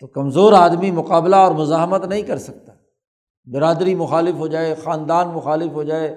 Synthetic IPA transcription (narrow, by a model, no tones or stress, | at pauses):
t̪okɐmzoːɾaːd̪mimʊqaːblaɔːɾmʊzaːɦmət̪nɐɦĩkɐɾsɐk̚t̪ḁː | bɪɾaːd̪ɾimʊxaːlɪfɦod͡ʒaːexaːnd̪aːnmʊxaːlɪfɦod͡ʒaːe